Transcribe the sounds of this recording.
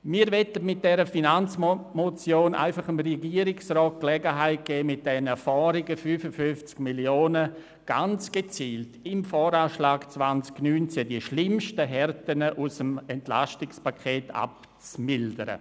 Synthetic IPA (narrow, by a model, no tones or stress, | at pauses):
miːɾvɛtətmɪt̚d̥ɛɾəfinant͡smot͡sjoːnʔa̰ɪfaχəmɾɛɡiːəɾɪksrɔːt̚klɛɡəɦaɪt̚ɡ̥ɛːmɪt̚d̥ɛnəfɔːɾiɡəfyfəfʏnft͡skmiljoːnə | ɡ̥a̰nt͡sɡ̥et͡siːltɪmfɔːɾaːʃlaːɡt͡svant͡sknyːnt͡sɛdiəʃlɪmʃtəɦɛɾtənəʔusəmɛntla̰ʃtɪkspakʰeːtʰa̰p̚ | t͡smɪldəɾə̰